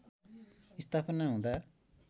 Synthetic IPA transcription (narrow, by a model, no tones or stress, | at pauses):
ist̪ʰapʰʌnaɦũd̪a